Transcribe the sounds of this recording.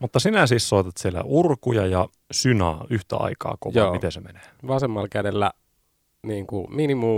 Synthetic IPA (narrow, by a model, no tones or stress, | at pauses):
mut̪ːɑsinæsiːssoˑit̪ɑt̪sielæ̰ʔurkujɑjɑ | synɑ̰ːyht̪æ̰ɑ̰ikɑ̰ːko̰joːmit̪esemene̥ːʋɑsemːɑlkædelːæ | niːŋkuminimuː